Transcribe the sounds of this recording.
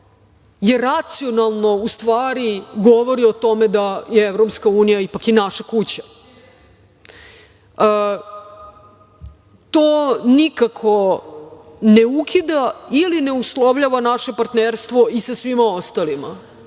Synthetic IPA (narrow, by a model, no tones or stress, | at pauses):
jeɾat̪sionalˠno̞ust̪ʋaːɾiɡo̞ʋo̞ɾio̞t̪o̞med̪ajeeʋɾopskauːnijaipakinaʃakut͡ɕḁ | ə | t̪oːnikakʰo̞ | neukʰid̪ailineuslˠoʋʎaʋanaʃe̞paɾt̪neɾst̪ʋo̞isasʋimao̞st̪alima̰